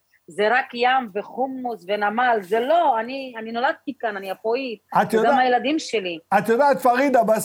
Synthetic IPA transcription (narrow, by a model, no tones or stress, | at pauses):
zeʁakjamveχumːosve̞namalzelo̞anianino̞lad̪̚t̪ikananiapoit̪̚at̪jodɡamhajelad̪imʃe̞liat̪jod̪at̪faʁid̪abas